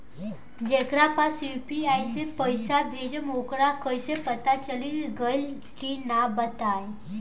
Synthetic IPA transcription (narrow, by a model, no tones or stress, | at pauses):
d͡ʑekɾapasjupiajsepəjsabʱed͡ʑmokɾakəjsepət̪at͡ɕəliːlɡəl | kinabət̪aj